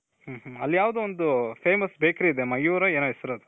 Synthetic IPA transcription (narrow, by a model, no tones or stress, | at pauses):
huːɦuɐlːijaːʋd̪uond̪upʰeːmɐsbeːkɾiːd̪emɐjuːɾɐeːnoːesɐɾɐd̪u